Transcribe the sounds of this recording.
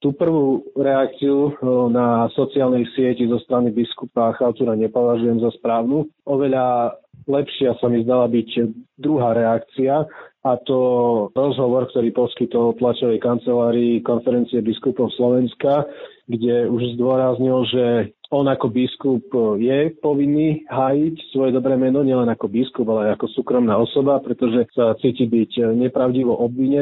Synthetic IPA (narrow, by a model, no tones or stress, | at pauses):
t̪uːpr̩ʋuːɾɛak̚t͡siunasɔt͡siaːlnɛjsɪɛcizɔst̪ɾanibiskupaaxaʊt̪uɾaɲɛpɔʋaʒujɛmzaspɾaːʊnuɔʋɛʎalɛpʃɪasamizd̪alabiɟd̪ɾuɦaːɾɛakt͡siaat̪ɔɾɔzɦɔʋɔɾkt̪ɔɾiːpɔskit̪ɔlp̪lat͡ʃɔʋɛjkant͡sɛlaːɾiːkɔnfɛɾɛnt͡siɛbiskupɔʊslɔʋɛnska | ɡɟɛuʒzd̪ʊɔɾazɲilʒɛɔnakɔbiskupjɛpɔʋinːiːɦaːjicsʋɔjɛd̪ɔbɾɛːmɛnɔɲɪɛlɛnakɔbiskubalɛajakɔsuːkɾɔmnaːɔsɔbapɾɛt̪ɔʒɛsat͡siːcibiɟɲɛpɾaʊɟiʋɔʔɔbʋiɲɛ